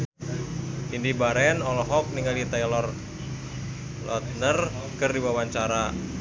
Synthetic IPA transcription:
ʔindibaɾɛnɔlɔɦɔk̚niŋalit̪ailɔr | lɔ̰t̪̚nər | kɨrdiwawaɲt͡ʃaɾa

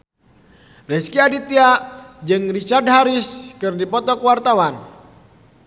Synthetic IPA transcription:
rɛskiadit̪iaʔd͡ʒɨŋrit͡ʃard̚ɦaɾiskɨrdipɔt̪ɔkwart̪awan

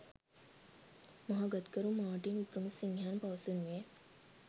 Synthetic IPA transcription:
mɐɦaɡɐt̪kəɾumaːʈinikɾuməsiŋʱjaːnpaʋəsunie

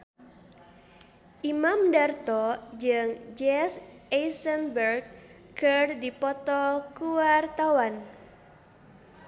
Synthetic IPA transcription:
ʔimamdart̪ɔd͡ʒɨŋd͡ʒɛsʔesənbərɡ̚ː | ɨrdipɔt̪ɔkuwart̪awan

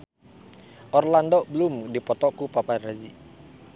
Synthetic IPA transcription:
ʔɔrlandɔbəlʊmdipɔt̪ɔkupapaɾazi

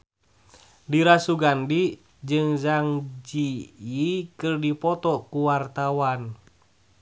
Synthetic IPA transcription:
diɾasuɡandi | d͡ʒɨŋzaŋd͡ʒiikɨrdipɔt̪ɔkuwart̪awan

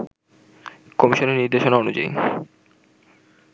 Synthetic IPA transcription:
kɔmiʃoneɾniɾd̪eʃonaonud͡ʑa̰ḭ

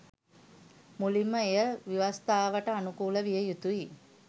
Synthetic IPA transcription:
mulimːəejəʋiʋast̪aːʋəʈəanukuːləʋijəjut̪ui

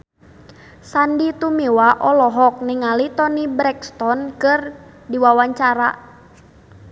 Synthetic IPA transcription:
sandit̪umiwaʔɔlɔɦɔk̚nɪŋalit̪ɔnibɾɛkst̪ɔnkɨr | diwawaɲt͡ʃaɾa̰

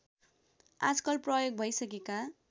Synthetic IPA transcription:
a̰d͡zkʌlprʌjoɡ̚bʱʌjsʌk̬eka

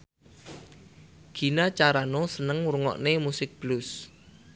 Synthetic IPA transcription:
ɡ̥i̤nat͡ʃaɾanosənəŋuɾŋɔ̰ʔnemusɪk̚b̥lʊs

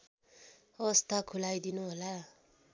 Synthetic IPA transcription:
ʌst̪akʰulajd̪inuɦola

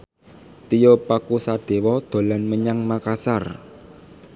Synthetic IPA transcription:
t̪ijopakusaɖ̥e̤wɔd̪̥o̤lanməɲaŋmakasar

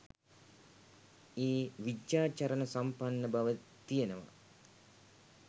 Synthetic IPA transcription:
eːʋidjaːt͡ʃaɾənəsampanːəbaʋə | t̪ijenəʋa̰

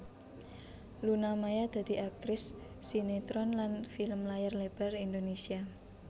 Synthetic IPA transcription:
lunamajad̪̥ä̤d̪̥i̤ʔak̚t̪ɾɪsː | inet̪ɾɔnlanfiləmlajərleb̥ərind̪onesia

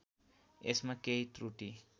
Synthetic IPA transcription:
ḛsmakeit̪ɾuʈi

